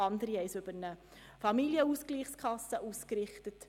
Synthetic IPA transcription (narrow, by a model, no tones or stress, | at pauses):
ɑnd̪əɾiɛɪsʏbəɾnə | fɑmiljəuskliːχskʰɑsːəʔuːskɾɪχtət